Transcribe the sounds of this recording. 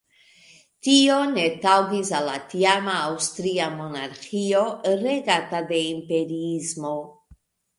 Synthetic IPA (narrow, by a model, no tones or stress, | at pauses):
tio̞ne̞tawɡisalːatiamaːwstɾiamo̞naɾxio̞ɾe̞ɡatade̞impe̞ɾiizmo̞